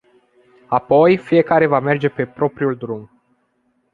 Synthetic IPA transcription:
apo̞jfije̞kaɾe̞vame̞rd͡ʒe̞pe̞pɾo̞pɾiuld̪ɾum

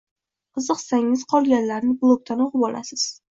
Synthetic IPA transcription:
qʰɨzɨqsaŋɪz̥qʰɒlˠɡʲanlaɾnɪblˠok̚t̪ʰanoʁɨbɒla̰sɪz̥

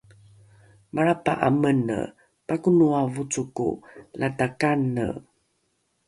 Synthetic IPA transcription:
mʔaɾapa̰ʔamənə̰ | pakunuavut͡sukṵlʔatakanːə̰

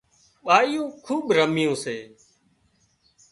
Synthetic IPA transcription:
ɓaːijõːkʰuːɓɾəmɪjõːseː

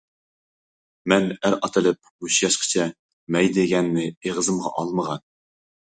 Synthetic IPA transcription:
mɛnæɾɑt̪ʰɨlˠɨp̚ | ɡuʃjɑʃqʰə̥t͡ʃʰɛ | mɛjd̪eɡʲɛnːɪeʁəzɨmʁɑ̰ʔɑlˠməʁɑn

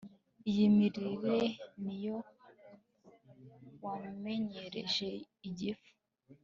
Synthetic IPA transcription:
ijimiɾiɾenijo | wame̞ɲe̞ɾḛʒe | iɟifu̥

